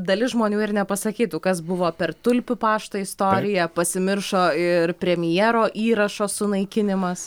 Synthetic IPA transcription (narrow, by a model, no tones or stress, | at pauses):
d̪ɐlʲɪsʒmoːnʲuːɪɾnʲɛpɐsɐkʲiːt̪ʊkɐsbʊʋoːpʲɛrt̪ʊlʲpʲʊpɑːʃt̪ɐɪst̪oːɾʲɪjɛpɐsʲɪmʲɪrʃoːɪrpʲɾʲɛmʲɪjɛːɾoːʔiːɾɐʃoːsʊnɐɪkʲɪnʲɪmɐs